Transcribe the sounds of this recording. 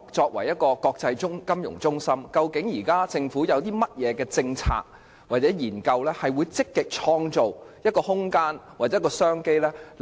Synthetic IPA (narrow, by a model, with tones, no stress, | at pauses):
t͡sɔː˧k̚wɐ̰˨˩jɐ˥t̚kɔː˧kɔː˧k̚t͡sɐ˧jt͡ʃʊ˥ŋkɐ˥mjʊ̰˨˩ŋt͡sʊ˥ŋsɐ˥mkɐ˧wkɪ˨˥ŋjiː˨˩kaː˥t͡sɪ˧ŋfuː˨˥jɐ˨˧wt̪iː˥mɐ˥t̚jɛː˨˧kɛː˧t͡sɪ˧ŋt͡sʰa̰ː˧k̚ | waː˨t̚t͡sɛː˨˥jiː˨˩nkɐ˧wlɛː˥hɐ˨jwuː˨˧jt͡sɪ˥kːɪ˨k̚t͡ʃʰɔː˧ŋt͡so˨wjɐ˥t̚kɔː˧hʊ˥ŋkaː˥nwaː˨˩ɛ˨˦˥kːɔː˧sœː˥ŋke˥jlɛː˥